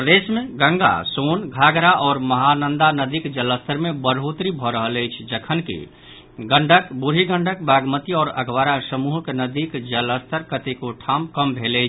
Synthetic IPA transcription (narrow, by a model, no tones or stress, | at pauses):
pɾəd̪eːsmẽɡə̃ŋɡa̰soːnɡʱaːɡɾaʔɔːɾməɦanə̃nd̪anəd̪ikd͡ʒələst̪ʰəɾmẽbəɾɦot̪ɾibʱɔɾəɦələjt͡ʃʰd͡ʒəkʰənkḭ | ɡə̃ɳɖʱəkbuɾ̤iɡə̃ɳɖək̚baːɡmət̪iɔːɾə̰ɡʱʋaːɾasəmuɦəknəd̪ikd͡ʒələst̪ʰəɾkət̪ekoʈʰaːmkəmbʱelət͡ʃʰ